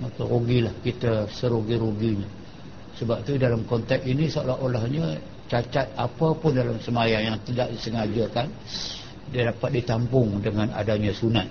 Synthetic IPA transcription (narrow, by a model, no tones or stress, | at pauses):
makaɾoɡilahkit̪asəɾoɡiɾoɡiɲa | səbap̚t̪udalamkɔnt̪ɛk̚inisəolaɦolahɲə | t͡ʃat͡ʃat̪̚apapʊndalamsəmajaŋjaŋt̪ədaʔdisəŋad͡ʒakan | dadapat̪̚dit̪ampʊŋdəŋana̰daɲasunat̪̚